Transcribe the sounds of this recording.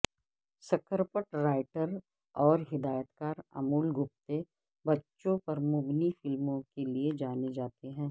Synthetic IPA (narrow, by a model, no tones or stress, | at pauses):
sɐkəɾpəʈɾaːɪʈəɾ | ɔːɾɦɪd̪aːjət̪kaːɾɐ̰muːlɡʊp̚t̪e | bɐtːʃõpɐɾmʊbnifɪlmõkelied͡ʒaːned͡ʒaːt̪eɦɛ̃ː